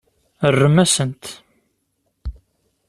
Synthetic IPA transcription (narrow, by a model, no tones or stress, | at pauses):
ərːəmæsənt̪